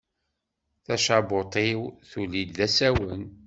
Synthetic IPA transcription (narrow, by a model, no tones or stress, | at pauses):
θæʃabot̪ˤiwθulilðæsæwən